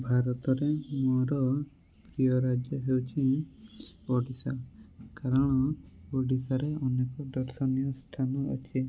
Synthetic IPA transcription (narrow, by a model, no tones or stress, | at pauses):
bʱaɾɔt̪ɔɾemoɾɔ | pɾijɔɾad͡ʒjɔɦewt͡ʃʰi | ɔɖisɔkaɾɔɽ̃ɔoɖisaɾeɔnekɔdɔɾsɔnijɔsʈʰanɔɔ̰t͡ʃʰi